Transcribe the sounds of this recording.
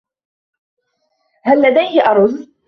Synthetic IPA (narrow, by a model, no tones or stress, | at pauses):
halːad̪ajhɪʔɑɾˤʊð